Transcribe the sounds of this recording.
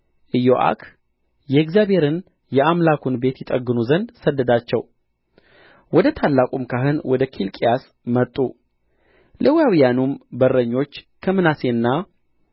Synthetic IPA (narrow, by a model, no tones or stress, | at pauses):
ʔɨjoʔa̰kʰ | jɛɡzjabhe̞ɾɨn | jɛamlakʰunbe̞t̪jɪt̪ʼəɡːɨnuzənd̪səd̪ːəd̪at͡ʃːɛw | wɔd̪ət̪ʰalːakʼumkʰaɦɨnwɔd̪əkʰilkʼijas | mət̪ʼːu | lʔəwjawijanumbərːəɲːo̞t͡ʃː | kʰəmɨnase̞ɨnːa